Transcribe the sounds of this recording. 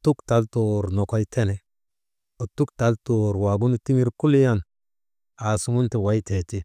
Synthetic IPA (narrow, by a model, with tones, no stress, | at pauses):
tu˦kta˨lto˨ɾnɔ˨kɔ˦jtʰɛ˦nɛ˨ | o˨tu˦kta˨˦lto˨ɾwa˨ɡu˦n˨ti˦ŋi˦ɾku˦li˦ja˦n | a˨su˦ŋu˦nti˨wa˨˦jte˨ti˦